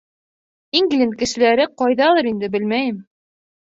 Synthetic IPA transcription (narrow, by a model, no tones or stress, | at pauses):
iŋɡ̆lɘnkɘ̆ʃɘ̆læɾɘqɑjðɑlˠɤɾind̪ɘbɘlmæjɘm